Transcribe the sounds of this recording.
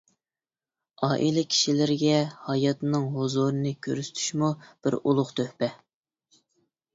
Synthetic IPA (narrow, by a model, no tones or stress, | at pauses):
ɑːʔilˠɨkʲʰi̥ʃilɪɾɡʲɛhɑjɑt̪nɨŋɦozuɾɨnɨkʲʰø̰ɾst̪ʰy̥ʃmub̥ɪɾulˠʊχt̪ʰøhpɛ